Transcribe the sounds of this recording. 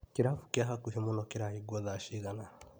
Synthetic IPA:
kiɾafu̥kiaɦakuɦimunɔkiɾahiɡwɔðaʃiɣana

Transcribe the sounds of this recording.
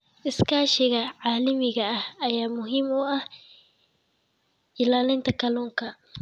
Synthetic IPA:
ʔɪskʰaːʃɪɣɐʕaːlɐmɪɣɐɐhɐjaːmʊɦiːmʊɐh | ɪlaːlɪnt̪ʰɐkʰɐlɔːŋkʰɐ

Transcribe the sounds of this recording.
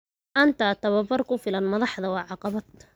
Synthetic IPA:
ʔɐnt̪ʰat̪ɐwɐbɐrkʰʊfɪlɐnmɐðɑħd̪ɐwɑːʕɑqɑβɐt̪

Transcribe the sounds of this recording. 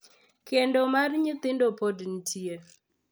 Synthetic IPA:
kendomarɲɪt̪ɪndopodn̩tʰie

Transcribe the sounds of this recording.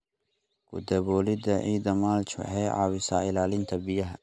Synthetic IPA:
kʰʊ̰d̪ɐβɔːlɪd̪ɐʕiːd̪ɐmaːlt͡ʃɔ̰ħɛjʕɑ̰ːwɪsa̰ːɪlaːlɪnt̪ʰɐbɪjɐɦɐ

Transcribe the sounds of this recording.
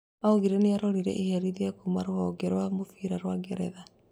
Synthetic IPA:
auɣiɾɛneaɾɔɾiɾɛ̰ʔihɛɾiðiakumaɾohɔɡɛɾwamofiɾaɾwaɡɛɾɛ̰ða

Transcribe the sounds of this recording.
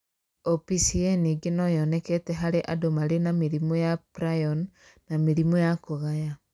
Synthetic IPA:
opisieniɡenɔjɔnɛkɛtɛɦaɾeʔadomaɾenameɾimɔjapɾajɔnː | amiɾimɔjakoɣaja

